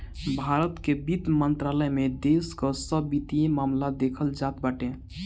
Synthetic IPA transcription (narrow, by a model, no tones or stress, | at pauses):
bʱaɾət̪kebit̪mənt̪ɾaləjmed̪eskəsəbːit̪ijemamlad̪ekʰəld͡ʒat̪baʈẽ